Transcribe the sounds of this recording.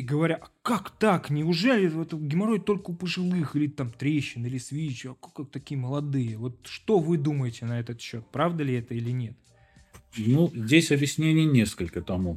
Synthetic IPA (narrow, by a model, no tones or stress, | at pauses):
ɡəvɐɾʲaʔɐkakt̪aknʲɪʊʐɛlʲɪvot̪ɡʲɪmɐɾo̞jt̪o̞lʲkəʊpəʐɨlˠɨxilʲɪt̪amt̪ɾʲeɕːɪnilʲɪsvʲit͡ɕʊɐkakak̚t̪ɐkʲijəməlˠɐd̪ɨjəvo̞t̪̚ʂt̪o̞vɨd̪uməjɪtʲɪnɐɛt̪ət̪ɕːo̞t̪̚pɾavd̪əlʲɪɛt̪əilʲɪnʲe̞t̪ | nuzʲdʲesʲɐbjɪsʲnʲenʲɪjnʲe̞skəlʲkət̪ɐmu